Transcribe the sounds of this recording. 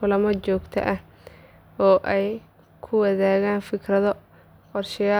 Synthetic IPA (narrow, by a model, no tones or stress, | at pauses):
ʊlɐmɐt͡ʃɔːɡt̪ʰɐ̰ʔɐh | ɔːʔɛj | kʰʊwɐðaːɣaːnfɪkʰrɐðɔ | qɔrʃɪjaː